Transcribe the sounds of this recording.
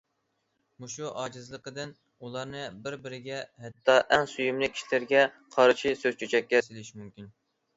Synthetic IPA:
muʃuʔɑːd͡ʒɨzlˠəqəd̪ɨn | ulˠɑɾnɨbɪɾbɪɾɪɡʲɛhɛt̪ʰːɑʔɛŋsujymlɪkʲʰːi̥ʃlɪɾɡʲɛ | qʰɑɾʃisøzt͡ʃʰyt͡ʃʰɛkʲːɛsɪlɪʃmymkʲin

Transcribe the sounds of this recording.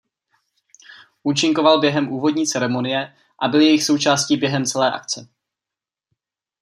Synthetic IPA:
ʔuːt͡ʃɪŋko̞valbjɛɦɛmʔuːvo̞dɲiːt͡sɛɾɛmo̞nɪjɛ | ʔabɪljɛjɪxso̞wt͡ʃaːscibjɛɦɛmt͡sɛlɛːʔa̰kt͡sɛ

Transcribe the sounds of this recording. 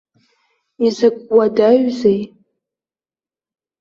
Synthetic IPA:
izɨkʷʼwadaɥzej

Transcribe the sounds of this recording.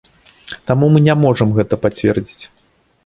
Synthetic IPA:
t̪amumɨnʲamɔʐɐmɣɛt̪ɐpat͡sʲvʲɛrd͡zʲit͡sʲ

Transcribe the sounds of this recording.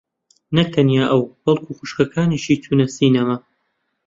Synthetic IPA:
nɐt̪ʰɐnjaːʔɐwb̥ɐlˠkʰuːxuʃkɐkʰaːniʃiːt̪ʰunɐsiːnɐmɐ

